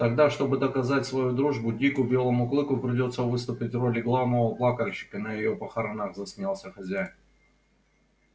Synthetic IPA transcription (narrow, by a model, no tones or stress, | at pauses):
t̪ɐɡd̪aʂt̪o̞bɨd̪əkɐzatʲsvɐjud̪ɾuʐbʊdʲikʊbʲe̞lˠəmʊklˠɨkʊpɾʲɪdʲo̞t̪sːəvɨst̪ʊpʲɪtʲro̞lʲɪɡlˠavnəvəplˠakəlʲɕɪ̥kənəjɪjo̞pəxɐɾɐnaɣzɐsʲmʲalˠsʲəxɐzʲæjɪn